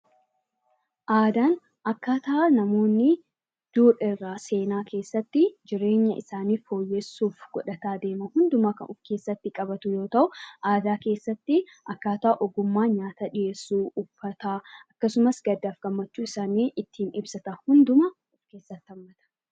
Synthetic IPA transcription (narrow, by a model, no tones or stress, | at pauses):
ʔaːd̪aːn | ɐkːaːt̪ɐʔanɐmo̞ːnːɪ | d̪̥uːɾɪrːaːse̞ːnaːkʰe̞ːsːɐt̪ːɪd͡ʒɪɾe̞ːɲːɐʔɪsaːniːo̞ːjːɛsːuːfɡ̥ɔᶑɐt̪aːd̪e̞ːmɐhʊnd̪ʊmɐkɐ̰nʊfke̞ːsːɐt̪ːɪkʼɐbɐt̪ʊjo̞ːt̪ɐʔʊʔaːd̪aːke̞ːsːɐt̪ːɪʔɐkːaːt̪aʔːʔɔɡʊmːaːɲaːt̪aᶑɪje̞ːsːuːʊbːɐt̪aːʔɐkːɐsʊmɐsɡɐd̪ːaːfɡ̥ɐmːɐt͡ʃːuːɪsaːniːʔɪt̪ʰːiːnɪbsɐt̪ɐhʊnd̪ʊmɐ | ʊfke̞ːsːɐt̪ːɪɐmːɐt̪ɐ̥